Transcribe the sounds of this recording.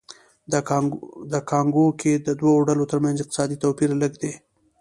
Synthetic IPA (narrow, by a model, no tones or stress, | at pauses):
d̪əkʰɑŋɡokʰed̪əd̪waoɖalot̪əɾmanzɪq̚t̪ɪ̥sɑd̪it̪owpiɾaləɡd̪e